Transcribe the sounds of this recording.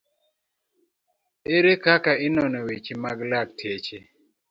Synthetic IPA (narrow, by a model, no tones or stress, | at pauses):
eɾekakaɪnɔnɔwet͡ʃimaɡlak̚tʰet͡ʃe